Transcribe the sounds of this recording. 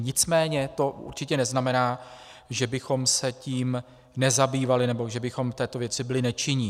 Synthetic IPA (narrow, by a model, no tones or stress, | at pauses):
ɲɪt͡smɛːɲɛt̪o̞ṵɾt͡ʃɪcɛnɛznamɛnaːʒɛbɪxo̞msɛciːm | nɛzabiːvalɪnɛbo̞ʒɛbɪxomft̪ɛːt̪o̞vjɛt͡sɪbɪlɪnɛt͡ʃɪɲɪ